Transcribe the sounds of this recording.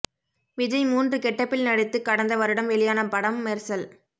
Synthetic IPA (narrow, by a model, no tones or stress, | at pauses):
ʋɪd͡ʒɐɪmuːndrɯkɛʈːɐpːɪlnɐɽɪt̪ːɯkɐɽɐnd̪ɐʋɐɾɯɽɐmʋɛɭɪjaːnɐpɐɽɐmːeːɾsɐl